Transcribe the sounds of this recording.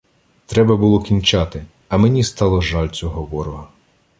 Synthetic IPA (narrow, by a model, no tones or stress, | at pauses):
t̪ɾɛbɐbʊlˠɔkʲinʲt͡ʃɑt̪ɪ | ɐmenʲist̪ɑlˠɔʒɑlʲt͡sʲɔɦɔʋɔɾɔɦɐ